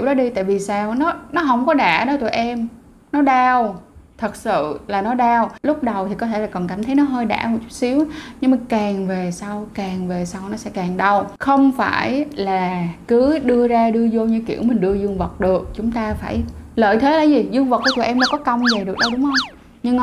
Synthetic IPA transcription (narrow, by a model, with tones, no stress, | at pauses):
ki˧˩wɗɔ˨˦˥ɗi˧t̪a̰ː˧˨jvi˨˩saː˧wnɔ˨˦nɔ˨˦ɦə˧wŋ͡mkɔ˨˦ɗa̰ː˧˩ɗə˧˦jt̪ṵ˧˩˨jʔɛ˧m | nɔ˨˦ɗaː˧wt̪ʰə˨˩t̚sɨ̰˧˨laː˨˩nɔ˨˦ɗaː˧wlʊ˦˥k͡p̚ɗə˨˩wt̪ʰi˨˩kɔ˨˦t̪ʰe˧˩laː˨˩kɔ˨˩nkaː˧˩mt̪ʰə˨˦jnɔ˨˦ɦəː˧jɗa̰ː˧˩mo˨˩t͡ɕʊ˦˥t̚si˨˦əwɲɨ˧ŋmaː˨˩kaː˨˩ŋve˨˩sa˧wkaː˨˩ŋve˨˩sa˧wnɔ˨˦sɛ̰˧˥kaː˨˩ŋɗə˧wxə˧wŋ͡mfa̰ː˧˩jlaː˨˩kɨ˨˦ɗɨ˧əzaː˧ɗɨ˧əzo˧ɲɨ˧kḭ˧˩əwmï˨˩ŋ̟ɗɨ˧əzɨ˧əŋvə˨˩k͡p̚ɗɨ˨˩ək̚t͡ɕʊ˨˦ŋ͡mt̪aː˧faː˧˩jləː˧˨jt̪ʰe˨˦laː˧˩jzi˨˩zɨ˧əŋvə˨˩t̚kaː˨˧˦t̪ʔɛ˧mɗa̰˧˦kɔ˨˦kə˧wŋ͡mzə˨˩ɗɨ˨˩ək̚ɗə˧jɗʊ˨˦ŋ͡mhə˧wŋ͡m | ɲɨ˧ŋ